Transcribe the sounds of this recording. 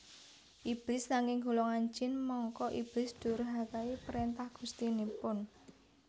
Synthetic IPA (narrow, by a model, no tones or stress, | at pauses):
ʔib̥lɪsnaŋɪŋɡulɔŋaɲd͡ʒɪnmɔŋkɔʔib̥lɪsd̪̥ṳɾɦakaipɾent̪ahɡ̥ṳst̪inipʊn